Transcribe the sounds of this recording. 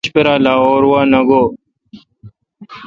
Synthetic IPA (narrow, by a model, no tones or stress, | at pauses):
ɕpeɾaːlaːoːɾwaːnɐɡoː